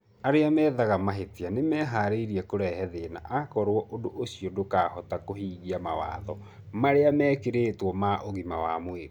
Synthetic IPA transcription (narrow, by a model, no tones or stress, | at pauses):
aɾeamɛːðaɣamaɦetianemɛːɦaɾeiɾiɛkoɾɛɦɛðena̰ʔakɔɾwɔʔodoʔosiɔdokaːhɔtakoɦiːɣiamawa̰ðɔ | maɾeamɛːkeɾeːtwɔmaʔoɣimawamoeɾ